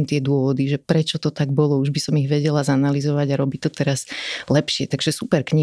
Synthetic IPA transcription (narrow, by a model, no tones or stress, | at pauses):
mt̪ɪɛd̪ʊɔʋɔd̪iʒɛpɾɛt͡ʃɔt̪ɔt̪aɡ̚bɔlɔuʒbisɔmiɣʋɛɟɛlazanalizɔʋaɟaɾɔbic̚t̪ɔt̪ɛɾazlɛpʃɪɛt̪aɡʒɛsupɛɾkɲi